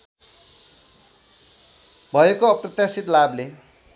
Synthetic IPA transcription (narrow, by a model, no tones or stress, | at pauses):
bʱʌekoʌprʌt̪jasit̪lable